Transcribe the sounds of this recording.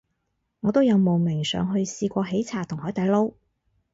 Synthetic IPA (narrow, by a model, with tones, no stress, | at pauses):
ŋɔː˨˧t̪wjɐ˨˧wmo˨wmɪ˨˩ŋsœ̰ː˨˧ŋɦɵ˧ɥsiː˧kʷɔː˧ɦe˨˥jt͡sʰaː˨˩t̪ʰʊ˨˩ŋhɔː˨˥jt̪ɐ˨˧jlo˥w